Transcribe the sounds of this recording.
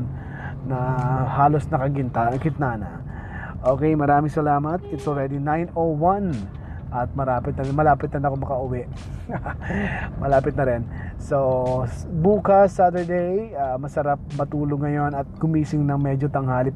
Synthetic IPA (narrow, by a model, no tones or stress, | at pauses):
n | nɐhaːlosnɐkɐɡɪnt̪akɪt̪naːnɐ̰ | ʔoːkɛjmɐɾaːmɪŋsɐlaːmɐt̪̚ɪt̪sɔlɹɛd̪inajnowɐn | ʔɐt̪̚mɐɾaːpɪt̪̚nɐɾɪnmɐlaːpɪt̪̚nɐnɐkoŋmɐkɐʔʊwɛʔ | mɐlaːpɪt̪nɐɾɪnso | buːkɐsːat̪əɹd̪ejamɐsɐɾap̚mɐt̪uːloɡŋːɐjo̞nɐt̪̚kʊmiːsɪŋnɐŋmɛd͡ʒot̪ɐŋhaːli